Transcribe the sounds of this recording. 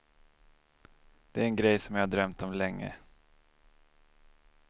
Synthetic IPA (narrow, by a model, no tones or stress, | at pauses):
d̪̥ɛæɾɛnɡɾɛjsɔmjaːhad̪ɾœmt̪ɔmlɛŋːə̰